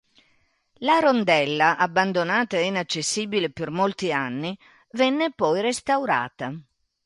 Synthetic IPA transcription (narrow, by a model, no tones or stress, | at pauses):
laɾond̪ɛlːaʔabːand̪onaːt̪aeinat͡ʃːesːiːbilepermolt̪ianːi | vɛnːepɔjɾest̪awɾa̰ːt̪a